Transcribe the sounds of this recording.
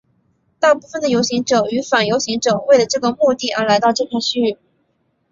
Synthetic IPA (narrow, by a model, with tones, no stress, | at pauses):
t̪a˥˧pu˥˩fə˩nd̪ə˩jo˧˥ʊɕi˧˥ŋʈ͡ʂɤ˨˩y˧˥fa˨˩njo˧˥ʊɕi˧˥ŋʈ͡ʂɤ˨˩we˥˩ɪlə˩ʈ͡ʂɤ˥˩ɡə˩mu˥˧t̪i˥˩ə˞˧˥la˧˥ɪt̪ɑ˥˧ʊʈ͡ʂɤ˥˧pʰjɛ˥˧nɕy˥˧y˥˩